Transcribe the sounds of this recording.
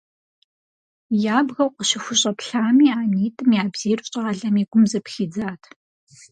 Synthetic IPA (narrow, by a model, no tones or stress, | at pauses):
jaːbɣɐwqʷʼəɕɪxʷʊɕʼɐpɬaːmiːaːniːtʼɨmjaːbz̥iːrɕʼɐʁɐɮɐmiːɡʷʊmzɐpxiːd͡zaːtʰ